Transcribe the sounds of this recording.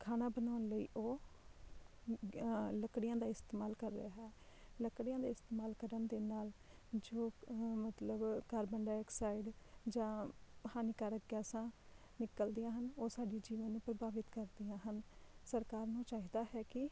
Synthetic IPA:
kʰaːnaːbənaːnləḭːʔoː | ləkɽɪjãːd̪aːɪst̪eːmaːlkəɾːə̰aɦɛːləkɽɪjãːd̪aːɪst̪eːmaːlkəɾənd̪eːnaːld͡ʒoːmət̪ləbkaːɾbəɳɖaːɛːksaːɪɖd͡ʒãːhaːniːkaːɾəɡɛːsãː | nɪkəld̪ijãːɦənoːsaːɖiːd͡ʒiːʋənːũːpɾəbaːʋɪt̪kəɾd̪ijãːɦənsəɾkaːɾnũːt͡ʃaːɦiːd̪aːɦɛːkɪ

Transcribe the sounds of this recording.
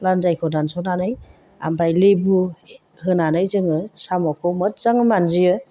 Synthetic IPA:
lanzajkʰɔdansɔnanɯj | a̰mpʰajlibu | hɯnanajzɯŋɯsamɔkʰɔwmɯt̚z̥aŋɯmanzijɯ

